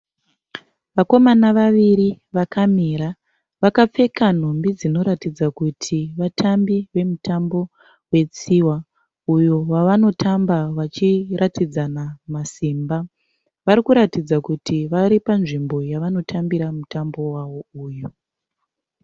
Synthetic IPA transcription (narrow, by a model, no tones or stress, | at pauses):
ʋako̞manaʋaʋiɾi | ʋakamiɾa | ʋakap͡fe̞kan̤ombid͡zino̞ɾatid͡zakutʰiʋatʰambiʋe̞mutambo̞ | we̞t͡siwa | ujowaʋano̞tʰambaʋat͡ʃirʔatid͡zanamasimba | ʋaɾikuɾatid͡zakutʰiʋaɾipanʐimbo̞jaʋano̞tʰambiɾamutambo̞waʋo̞uːju